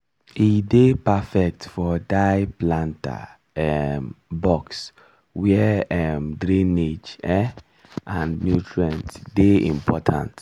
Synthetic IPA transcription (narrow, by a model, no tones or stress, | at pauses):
idepafɛk̚tfɔdaɪplãnta̰ | ɛmbɔks | wɛɛmdɾĩned͡ʒɛ | ãnnjutʰɹiãntdeĩmpʰɔtʰã̰nt